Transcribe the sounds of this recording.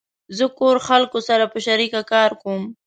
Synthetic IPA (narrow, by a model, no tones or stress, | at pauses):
zəkoɾxalkosaɾapəʃaɾikakɑɾkom